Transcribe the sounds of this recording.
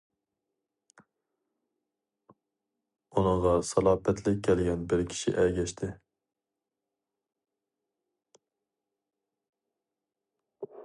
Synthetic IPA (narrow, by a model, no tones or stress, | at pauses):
unɨʁɑsɑlˠɑːpɛt̪ʰlɪk̚ʲʰːɛlɡʲɛnbɪɾkʲʰi̥ʃḭʔɛɡʲɛʃt̪ʰɪ